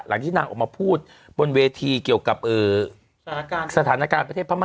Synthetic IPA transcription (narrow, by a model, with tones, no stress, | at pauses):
la̰˩˦ŋt̪ʰiː˥˩naː˧ŋʔɔː˨˩k̚maː˧pʰuː˥˩t̪̚ | bo˧nweː˧t̪ʰiː˧ki˨˩əwka˨˩p̚ʔɤː˨˧˩ | sa˧t̪ʰaː˩˦naː˦˧kaː˧npɾt̪ʰe˥˩pʰa˥˩ma˧